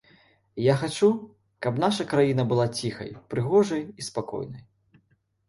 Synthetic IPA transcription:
jaxat͡ʂu | kɐpn̪aʂɐkɾajinɐbɨlˠat͡sʲixɐ̰jpɾɨɣɔʐɐjispakɔ̰jnɐj

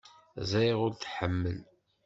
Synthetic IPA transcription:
zæjʁʊɾθħəmːəl

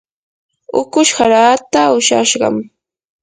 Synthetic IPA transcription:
ʊkʊʃhaɾaːt̪aʊʃa̰ʃɢɑ̰m

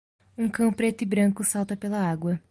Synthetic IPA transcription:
ũkɐ̃w̃pɾet̪ɪbɾɐ̃ŋkʊsawt̪ɐpelɐaɡwɐ

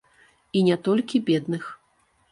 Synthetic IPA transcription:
inʲɛat̪ɔlʲkʲibʲɛd̪nɨx

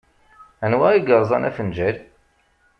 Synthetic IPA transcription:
ænwæiɡəɾˤzˤɑnæ̰fənd͡ʒæɾ

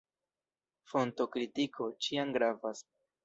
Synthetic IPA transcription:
fo̞nto̞kɾitikʰo̞t͡ʃiaŋɡɾavas

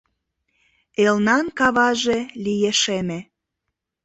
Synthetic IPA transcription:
elnɑnkɑβɑʒelijeʃeme

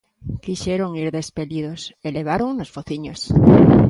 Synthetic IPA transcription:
kiʃeɾoŋiɾðespeliðoseleβ̞aɾoŋnosfoθiɲos

